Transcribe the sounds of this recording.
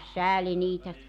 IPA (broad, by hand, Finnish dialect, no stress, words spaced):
sæːli niːtæ